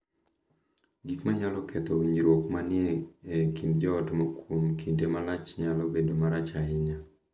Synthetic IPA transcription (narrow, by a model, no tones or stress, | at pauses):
ɡikmaɲalɔkʰɛt̪ɔwiɲɾwokmanɪeːkindd͡ʒɔːtmokumkindemalat͡ʃɲalɔbedomaɾat͡ʃaɪɲa